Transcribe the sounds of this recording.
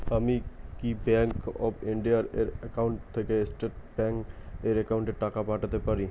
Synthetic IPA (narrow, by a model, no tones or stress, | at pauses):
həmikibɛ̃ːŋkɔːbʰɪ̃ɳɖijaɾeɾəkaʊ̃ɳʈt̪ʰːekeɪsʈeʈbɛ̃ːŋkeɾekaʊ̃ɳʈeʈaːkapaːʈt̪epɐɾi